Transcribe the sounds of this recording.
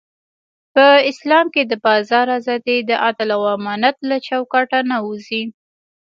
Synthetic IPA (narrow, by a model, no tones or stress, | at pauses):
pəɪslɑmked̪əbɑzɑɾazɑd̪ed̪əʔat̪alawɑmɑnat̪̚lat͡ʃawkɑʈanauzi